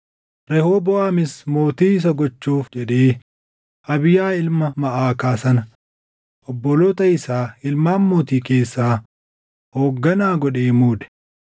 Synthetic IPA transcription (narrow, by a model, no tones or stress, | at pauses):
ɾɛhoːbɔʔaːmɪsmo̞ːt̪iːɪs̬ɐɡɔt͡ʃːuːfd͡ʒɛᶑeː | ʔɐbɪjaːɪlmɐmɐʔaːkaːsɐnɐ | ʔɔbːɔlɔt̪ɐɪsaːɪlmaːmːuːt̪iːke̞ːsːaː | hoːɡːɐnaːɡɔɗe̞ːmuːd̪ɛ̥